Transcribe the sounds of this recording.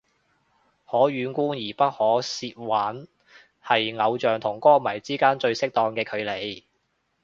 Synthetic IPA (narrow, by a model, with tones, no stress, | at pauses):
hɔː˨˥ɥyː˨˧˥nkuː˥njiː˨˩pɐ˥t̚hɔː˨˥siː˧t̚waː˨˥n | hɐ˨jŋɐ˨˧wt͡ʃœː˨ŋt̪ʰʊ˨˩ŋkɔː˥mɐ˨˩jt͡siː˥kaː˥nt͡ʃɵ˧ɥsɪ˥k̚t̪ɔː˧ŋkɛː˧kʰɵ˨˧ɥle˨˧j